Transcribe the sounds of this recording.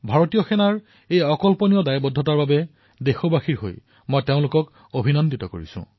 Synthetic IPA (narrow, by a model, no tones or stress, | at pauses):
bʱaɹotijɔxɛnaɹ | ejɔkɔlpɔnijɔdajbɔdʱːɔtaɹbabɛ | dexobaxiɹɦo̰j | mojteʊ̃lʊkɔk | obʱinɔnditɔko̰ɹḭsṵ̃